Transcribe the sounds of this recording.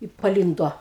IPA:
ɪ pɐˈlʲiːnduɔ

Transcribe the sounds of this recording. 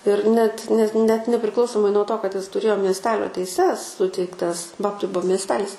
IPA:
ɪr nʲɛt nʲɛt nʲɛt nʲɛpʲrʲɪˈklˠɐʊsoːmɐɪ nuɔ ˈtoː kɐt ˈɪs tʊˈrʲeːjoː mʲiɛsʲˈtʲæːlʲoː tʲɛɪˈsʲɛs ˈsʊtʲɛɪktɐs ˈbɑːptɐɪ ˈbuɔ mʲiɛsʲˈtʲæːlʲɪs

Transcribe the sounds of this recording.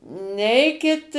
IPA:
ˈnʲɛɪkʲɪt

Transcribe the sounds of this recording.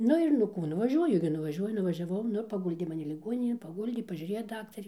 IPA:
ˈnʊ ɪr nʊ ˈkuː nʊʋɐˈʒʲuɔjʊ ɡʲɪ nʊʋɐˈʒʲuɔjʊ nʊʋɐʒʲɛˈʋɐʊ ˈnʊ ɪr pɐˈɡʊlʲdʲeː mɐˈnʲɪ lʲɪˈɡuɔnʲɪnʲeːn pɐˈɡʊlʲdʲeː pɐˈʒʲʊrʲeːjoː ˈdɑːktɐrʲeː

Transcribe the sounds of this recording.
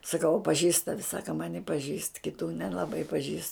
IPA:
sɐˈkɐʊ ɐ pɐˈʒʲiːst ˈtɑːʋʲɪ ˈsɑːkɐ ˈmɑːnʲɪ pɐˈʒʲiːst kʲɪˈtuː nʲɛlˠɐˈbɐɪ pɐˈʒʲiːst

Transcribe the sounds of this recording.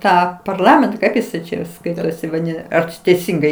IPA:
ˈtɑː pɐrˈlˠɑːmʲɛntɐ ˈkɐɪp jɪs ˈt͡ʃʲɛ jɛʊ ˈskɐɪtoːsʲɪ ʋɐˈdʲɪnɐ ɐr t͡ʃʲɪ tʲɛɪˈsʲɪŋɡɐɪ

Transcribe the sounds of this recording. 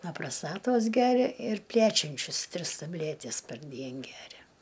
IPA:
nɐ prɐˈstɑːtoːs ˈɡʲæːrʲɛ ɪr ˈpʲlʲæt͡ʃʲɛnʲt͡ʃʲʊs ˈtʲrʲɪs tɐˈbʲlʲætʲɪs pɐrʲˈdʲiɛn ˈɡʲæːrʲɛ

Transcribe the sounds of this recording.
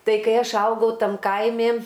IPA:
ˈtɐɪ kɐɪ ˈɐʃ ˈɐʊɡɐʊ ˈtɐm ˈkɐɪmʲɪ

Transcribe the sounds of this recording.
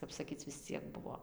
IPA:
ˈkɐp sɐˈkʲiːt͡s ʋʲɪs ˈt͡sʲiɛk ˈbʊʋoː

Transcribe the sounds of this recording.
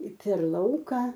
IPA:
pʲɛr ˈlˠɐʊkɐ

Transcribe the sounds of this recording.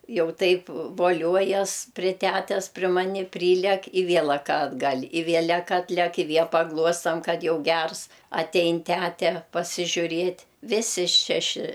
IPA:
ˈjɛʊ ˈtɐɪp ʋoːˈlʲuɔjɛs pʲrʲɪ ˈtʲætʲɛs pʲrʲɪ ˈmɑːnʲɪ ˈpʲrʲiːlʲæk ɪ ˈʋʲiɛlˠɐk ɐdˈɡɐlʲ ɪ ˈʋʲiɛlʲɛk ˈɑːtʲlʲæk ɪ ˈʋʲiɛlˠ pɐˈɡlˠuɔstɐm ˈkɐt ˈjɛʊ ˈɡʲɛrs ɐˈtʲɛɪn ˈtʲætʲɛ pɐsʲɪʒʲʊˈrʲeːtʲ ˈʋʲɪsʲɪ ˈʃʲæːʃʲɪ

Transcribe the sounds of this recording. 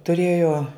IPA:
tʊˈrʲeːjoː

